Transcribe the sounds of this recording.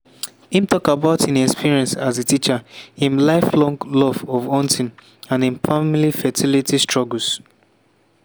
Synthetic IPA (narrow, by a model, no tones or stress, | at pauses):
ĩmtɔkabaʊtĩnɛkspiɹiɛ̃nsazetit͡ʃəĩnlaɪflɔ̃ŋɡlɔvɔvɔ̃ntĩn | ãnĩnfamilifɛtʰilitistɹ̥ɔɡəl̩s